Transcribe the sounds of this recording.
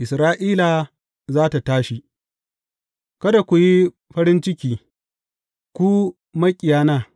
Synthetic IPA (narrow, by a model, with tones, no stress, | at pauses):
ʔɪ˨sɾaː˦ʔiː˦la˨ | zaː˦ta˨taː˦ʃi˨ | kɐ˦da˨kʷu˨ji˦ | ɸɐ˦ɾɪ˦nt͡ʃɪ˦kʲiː˨ | kʷu˦ | mɐ˦kʲʼɪ˨jaː˦naː˦˨